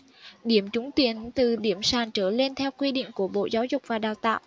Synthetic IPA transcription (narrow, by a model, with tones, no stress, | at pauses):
ɗi˧˩əmt͡ɕʊ˨˦ŋ͡mt̪i˨˦ənt̪ɨ˨˩ɗi˧˩əmsaː˨˩nt͡ɕəː˧˩le˧nt̪ʰɛ˧wkwi˧ɗḭ˧˨ŋ̟ku˧˩əɓo̰˧˨zaː˨˦wzʊ˨˩k͡p̚vaː˨˩ɗaː˨˩wt̪a̰ː˧˨wʔ